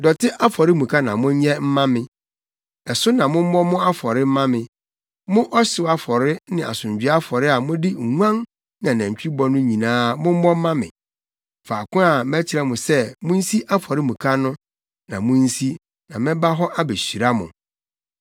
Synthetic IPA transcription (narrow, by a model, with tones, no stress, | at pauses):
dɔ˨tʰɪ˦ʔa˦fɔ˨ɾɪ˦mũ˨kʰa˦nã˨mʊ̃˦ɲ˦ɲɛ̃˦m̩˦mã˦mɪ̃˨ | ɛ˨sʊ˦nã˨mʊ̃˦m̩˦mɔ˦mʊ̃˦a˦fɔ˨ɾɪ˦m̩˦mã˦mɪ̃˨ | mʊ̃˦ʔɔ˦ɕɪ˨wa˦fɔ˨ɾɪ˦nɪ̃˨a̰˨sʊ̃˨ɲd͡ʑᶣɥa˦fɔ˨ɾɪ˦a˨mʊ̃˦dɪ˦˨ŋu˦ã˦n | nã˨næ̃˨ɲ˨t͡ɕᶣi˦bɔ˦nʊ̃˦ɲĩ˨nãː˦˨mʊ̃˦m̩˦mɔ̃˦m̩˦mã˦mɪ̰̃˨ | faː˨kʊ̃˦a˨mæ˦t͡ɕʰɪ˨ɾɛ˦mʊ̃˨sɛ˦mʊ̃˦n̩˦si˦ʔa˦fɔ˨ɾɪ˦mũ˨kʰa˦nʊ̃˦ | nã˨mʊ̃˦n̩˦si˦ | nã˨mɪ̃˦ba˦ɦɔ˦ʔa˦be˨ɕi˨ɾa˦mʊ̃˨